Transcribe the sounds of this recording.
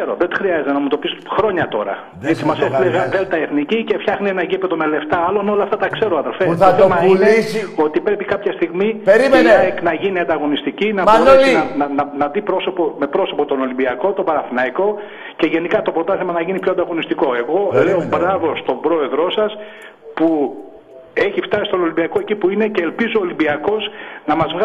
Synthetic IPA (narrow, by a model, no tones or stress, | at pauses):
seɾo̞ðet̪i̥xɾiɐzet̪enɐumet̪o̞pisxɾo̞ɲɐt̪o̞ɾɐ̰ | et͡simɐsestileɣɐðelt̪ɐeθnicice̞fçɐxnienɐʝipet̪omele̞ft̪ɐɐlono̞lɐft̪ɐt̪ɐkse̞ɾo̞ɐðe̞lfet̪θomɐileio̞t̪ipɾe̞pikɐpçɐst̪iɣmipeɾimnenɐʝiniɐnd̪ɐɣo̞nist̪icinɐoiɐnɐnɐnɐðipɾo̞so̞pome̞pɾoso̞pot̪o̞no̞limbiɐko̞t̪o̞bɐɾɐθinɐiko̞ | ce̞ʝe̞nikɐt̪o̞pɾo̞t̪ɐθimɐnɐʝinipço̞ɐnd̪ɐɣo̞nist̪iko̞e̞ɣo̞le̞obɾɐvo̞st̪o̞mbɾo̞e̞ðɾo̞sɐs | pu | e̞çift̪ɐsist̪ono̞limbiɐko̞e̞cipuinece̞ːlpizoːlimbiɐko̞snɐmɐzvɣ